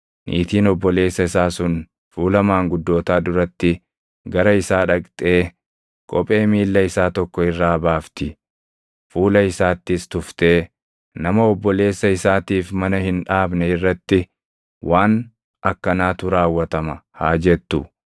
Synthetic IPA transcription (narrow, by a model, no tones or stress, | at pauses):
nʔḭːt̪iːnɔbːɔle̞ːsːɐɪsaːsʊn | fuːlɐmaːŋɡʊd̪ːo̞ːt̪aːd̪ʊɾɐt̪ːɪ | ɡɐɾɐɪsaːᶑɐkʼt̪ʼe̞ː | kʼɔpʼe̞ːmiːlːɐɪsaːt̪ɔkːɔɪrːaːbaːft̪ɪ | fuːlɐɪsaːt̪ːɪst̪ʊft̪e̞ː | nɐmɐɔbːɔle̞ːsːɐɪsaːt̪iːfmɐnɐhɪnᶑaːbnɛɪrːɐt̪ːɪ | wʔaːn | ʔɐkːɐnaːt̪ʊɾaːwːɐt̪ɐmɐhaːd͡ʒɛt̪ːʊ